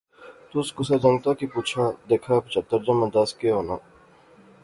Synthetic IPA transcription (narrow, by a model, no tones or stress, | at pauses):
t̪ʊskʊsad͡ʒɐ̃ŋɡt̪aːkipuːt͡ʃʰaːd̪eːkʰaːpt͡ʃɐt̪əɾd͡ʒɐmɐ̃d̪askeɦoːna̰ː